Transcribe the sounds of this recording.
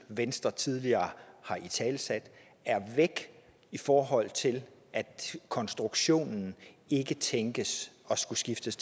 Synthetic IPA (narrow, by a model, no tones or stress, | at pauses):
ʋensd̥ʁɐt͡sʰið̞ˠliɐːhɑ̈ʔit͡sʰɛːlsæd̥ | æɐʋeɡ̥ | ifɒːɦɒ̽l̰t͡sʰe̝lʔæd̥kʰɒ̽nsd̥ʁuɡ̥ɕo̝̰ːnn̩e̝ɡ̥ət͡sʰeŋɡ̥əsɒ̽sɡ̥usɡ̥ifd̥əsʰ